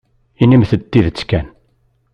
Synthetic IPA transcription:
inimθəd̪ːiðt͡sːkæn

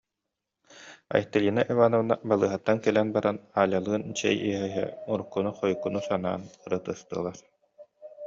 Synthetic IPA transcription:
a̰jt̪ːalʲiːnaʔɛvaːnɔvɯna̰balˠɯːɦat̪ːankɛlɛnbaɾanaːlʲalˠɯːnt͡ɕɛ̰jiɦɛɦɛ̰uɾukːunuχɔjkunusana̰ːnɯɾɯt̪ɯst̪ɯːlˠaɾ

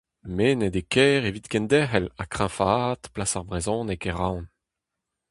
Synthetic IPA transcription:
menɛd̪ekʰɛːʁevit̪kɛ̃nd̪ɛχɛlakχɛ̃fat̪plasaʁbʁezɔ̃ːnekeʁawn

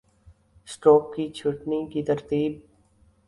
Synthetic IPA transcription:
sʈoːkːit͡ʃʰʊʈnikit̪ɐɾt̪iːb̚

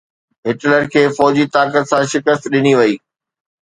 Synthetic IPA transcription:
ɦɪʈləɾkʰeːfɔːd͡ʑit̪aːkət̪sãʃɪkəst̪ɗɪniʋɐiː

